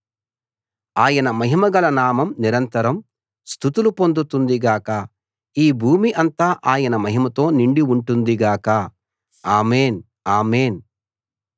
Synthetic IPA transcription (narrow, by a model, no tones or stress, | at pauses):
aːjɐnɐmɐɦimɐɡɐlɐnaːmɐmniɾɐnt̪ɐɾɐm | st̪ʰut̪ulupo̞nd̪ut̪und̪iɡaːkɐ | iːbʱuːmiʔɐnt̪aːʔaːjɐnɐmɐɦimɐt̪o̞ːniɳɖiuɳʈund̪iɡaːkɐ | aːmeːn | aːmeːn